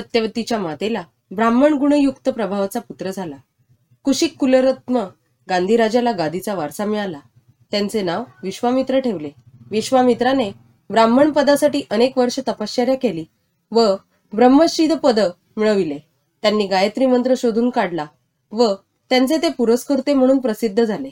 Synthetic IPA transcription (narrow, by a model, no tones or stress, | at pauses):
ət̪jəʋt̪it͡ɕjamat̪ela | bɾamːəɳɡuɳ̃əjukt̪əpɾəbʱaʋt͡saput̪ɾəd͡zʱala | kuɕiːkːuləɾət̪mə | ɡand̪ʱiɾad͡ʑalaɡad̪ʱit͡saʋaɾsamiɭala | t̪jãnt͡senaʋʋiɕʋamit̪ɾəʈʰeʋle | ʋiɕʋamit̪ɾane | bɾamːəɳpəd̪asaʈiːʔənekʋəɾʂət̪əpaɕt͡ɕəɾjakeliː | ʋə | bɾəmːəɕid̪ʱpəd̪ə | miɭəʋile | t̪janːiːɡajət̪ɾimənt̪ɾəɕod̪ʱuːnkaɽla | ʋə | t̪jãnt͡set̪epuɾəskəɾt̪em̤əɽ̃uːnpɾəsid̪ʱːəd͡zʱale